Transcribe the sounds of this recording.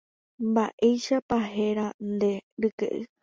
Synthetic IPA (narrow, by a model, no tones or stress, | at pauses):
mbaʔe̞jʃapaɦe̞ɾand̪e̞ɾɨkḛʔɨ